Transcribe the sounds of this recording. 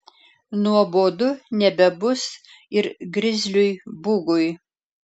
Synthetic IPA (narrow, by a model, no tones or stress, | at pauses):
nuɔboːd̪ʊnʲɛbʲɛbʊs | ɪɾɡɾʲɪzʲlʲʊjbuɡʊj